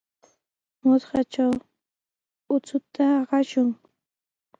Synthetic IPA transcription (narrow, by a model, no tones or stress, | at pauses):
mʊt̪ɢɑt͡ʃaw | ʊt͡sʊt̪aɢɑʃʊŋ